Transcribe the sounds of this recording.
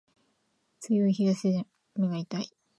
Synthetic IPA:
t͡sɨjoiçiɡase | mɯɡait̪ai

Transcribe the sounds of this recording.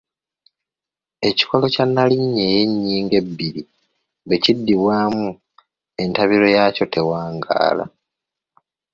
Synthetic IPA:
e̞ci̥ko̞lo̞canːaliɲːe̞je̞ɲːiːŋɡe̞bːiɾi | βe̞cidːiβwaːmu | e̞ntaβiɾo̞jaːco̞tʰe̞waːŋɡa̰ːla̰

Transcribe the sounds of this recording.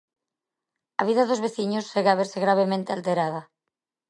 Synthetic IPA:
aβ̞iðaðozβeθiɲosːeɣaβeɾseɣɾaβ̞emẽnt̪ealt̪eɾað̞a

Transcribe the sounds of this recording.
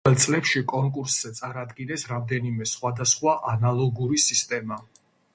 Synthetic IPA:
ɛlˠt̪sʼlɛpʃikʼɔŋkʼuɾsz̥ɛt̪sʼaɾad̪ɡinɛsɾamd̪ɛnimɛsχwad̪asχwaʔanalˠɔɡuɾisist̪ʼɛma

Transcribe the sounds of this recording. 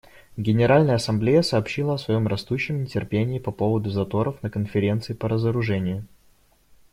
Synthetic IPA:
ɡʲɪnʲɪɾalʲnəjəɐsɐmblʲejəsɐːpɕːilˠəɐsvɐjo̞mrɐst̪uɕːɪmnʲɪtʲɪrpʲenʲɪːpɐpo̞vəd̪ʊzɐt̪o̞ɾəfnəkənfʲɪɾʲe̞nt̪sɨɪpəɾəzəɾʊʐɛnʲɪjʊ

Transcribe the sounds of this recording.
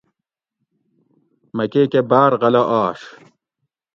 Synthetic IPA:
mɐkekebaːɾʁɐlɐʔaːʂ

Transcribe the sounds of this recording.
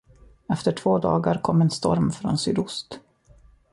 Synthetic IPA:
ɛft̪əʈʰv̥oːd̪ɑ̰ːɡaɾkʰɔmːɛnst̪ɔɾmfɾɔ̰nsʏd̪ʊst̪

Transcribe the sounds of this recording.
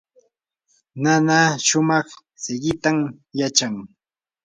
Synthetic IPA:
nanaʃʊmɑχ | sɪɢɪt̪am | jat͡ʃaŋ

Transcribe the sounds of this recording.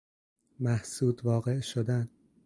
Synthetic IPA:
mæhsuːd̪vɒːɣe̞ʔʃod̪æn

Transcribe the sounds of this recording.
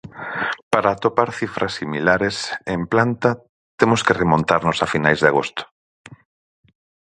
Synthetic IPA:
paɾaːt̪opaɾθifɾɐsːimilaɾesemplant̪a | t̪emʊskeremõnt̪aɾnʊsafinajzðaɣost̪ʊ̥

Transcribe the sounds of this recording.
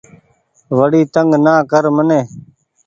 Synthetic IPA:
ʋəɽiːt̪əŋɡnãːkəɾmənẽː

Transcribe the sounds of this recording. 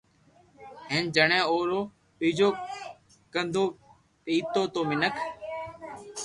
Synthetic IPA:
ɦend͡ʒəɳẽːoːɾoː | piːd͡ʒoː | kənd̪oː | piːt̪oːt̪oːmɪnəkʰ

